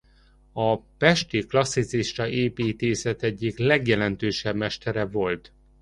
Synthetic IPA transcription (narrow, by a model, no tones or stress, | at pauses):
ɒpɛʃt̪iklɒsːit̪siʃt̪ɒʔeːpiːt̪eːsɛt̪ɛɟːiklɛɡjɛlɛnt̪øːʃɛbmɛʃt̪ɛɾɛvo̞lt̪